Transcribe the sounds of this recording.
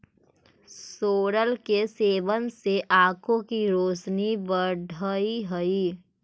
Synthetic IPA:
soːɾəlkeseːʋənseʔaːkʰõkiɾoːsnibəɖʱəiɦəiː

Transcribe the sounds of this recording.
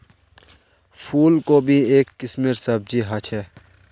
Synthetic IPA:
pʰuːlkoːbʱieːkːɪsmeɾsəb̚d͡ʒiːɦət͡ʃʰɦɛː

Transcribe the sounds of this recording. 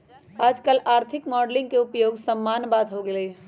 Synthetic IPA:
aːd͡ʒkəlaːɾt̪ʰikmɔːɖlɪ̃ŋɡkeupjoːɡsəmːaːnbaːd̪ɦoɡelə

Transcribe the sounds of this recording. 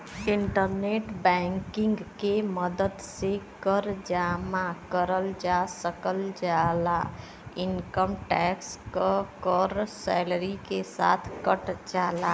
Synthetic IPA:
ɪɳʈəɾneʈbɛ̃ŋkɪ̃ŋɡkeməd̪əd̪sekəɾd͡ʒaːmakəɾəld͡ʒasəkəld͡ʒala | ɪnkəmʈɛkskəkəɔɾsɛləɾikesa̰ːt̪ʰkəʈd͡ʒala

